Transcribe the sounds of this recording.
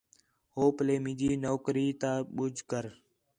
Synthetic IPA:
ɦoːpəleːmĩːd͡ʒiːnoːkɾiːt̪aːɓʊd͡ʒʱkəɾ

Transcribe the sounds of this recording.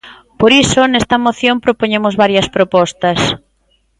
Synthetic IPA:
poɾisonest̪ɐmoθjompɾopoɲemʊzβaɾjɐspɾopɔst̪ɐs

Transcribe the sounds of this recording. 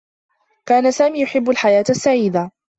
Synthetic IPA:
kaːnasaːmiːjʊħɪbːalħajaːt̪asːaʕiːd̪a

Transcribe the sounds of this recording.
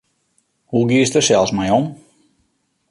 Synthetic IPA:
huɡiəstəsɛlˠsmɛjɔm

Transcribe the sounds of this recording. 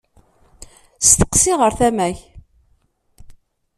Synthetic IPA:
st̪ə̥qːsiʁəɾθæmæç

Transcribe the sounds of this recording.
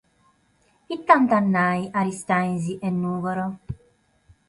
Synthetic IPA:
it̪ːant̪anːaːjʔaɾist̪ajnziʔɛnːuːɡɔɾo

